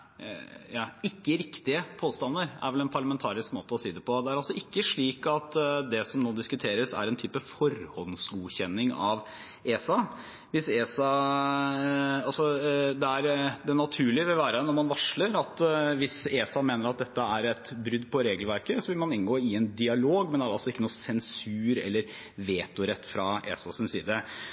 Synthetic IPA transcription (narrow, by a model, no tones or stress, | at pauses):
jɑːɪkːəɾɪkt̪ɪəpʰoːst̪ɑnːəɾæ̰ɾʋɛlɛnpʰɑɭəmɛnt̪ʰɑːɾɪskmoːt̪əɔsiːd̪ɛpʰɔd̪ɛæɾɑlsɔʔɪkːəʂɭiːkɑt̪d̪ɛsɔmnoːd̪ɪskʉt̪ʰeːɾəsæ̰ɾɛnt̪ʰyːpəfɔɾhɔnsɡuːçɛnːɪŋɑʋ | eːsɑ | ʋɪseːsɑ | ɑlsɔd̪ɛæɾd̪ɛnɑt̪ʰʉːɭɪʋɪlʋæːɾənɔɾmɑnʋɑʂləɾɑt̪ʋɪseːsɑmeːnəɾɑt̪̚d̪ɛt̪ːəæɾɛt̪bɾʏd̪ːpʰɔɾeːɡəlʋæɾkəsɔʋɪlmɑnɪnɡoːɪɛnd̪ɪɑloːɡmɛnd̪ɛæɖɑ̰lsɔɪkːənuːsɛnsʉːɾɛ̰lːəɾ | ʋeːt̪ʊɾɛt̪ːfɾɑḛːsɑsɔmsḭːd̪ə